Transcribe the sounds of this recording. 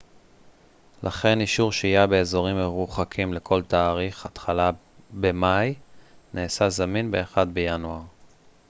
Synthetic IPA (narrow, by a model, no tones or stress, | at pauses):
lʔaχe̞niʃuʁʃeijabe̞ːzo̞ʁimeʁuχakʰimle̞kʰo̞lt̪aːʁiχat̪χala | bemajnʔeːsazaminbe̞ːχad̪bejanuaʁ